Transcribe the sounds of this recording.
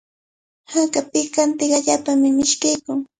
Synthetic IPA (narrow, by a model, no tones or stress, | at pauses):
hakapɪkant̪ɪɢaʎaːpamɪmɪʃkajkʊŋ